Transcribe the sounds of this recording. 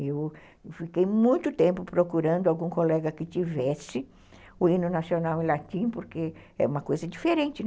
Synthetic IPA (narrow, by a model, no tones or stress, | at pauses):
ew | fikejmũj̃t̪ʊt̪ẽmpʊpɾokuɾɐ̃nd̪ʊawɡũŋkolɛɡɐkɪt͡ʃivɛsɪ | ʊinʊnasionawẽlat̪ĩnpoɾkeɛ̰ũmɐkojzɐd͡ʒifeɾẽnt͡ʃ̪ɪ